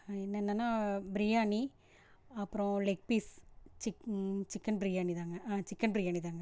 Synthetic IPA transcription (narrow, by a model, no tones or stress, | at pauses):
ɛnːɐɛnːɐnːaːbɪɾijaːni | ɐpːɯɾõlek̚piːst͡ʃɪt͡ʃɪkːɐnbɾijaːnit̪aːŋɡɐʔaːt͡ʃɪkːɐnbɾijaːnit̪aːŋɡɐ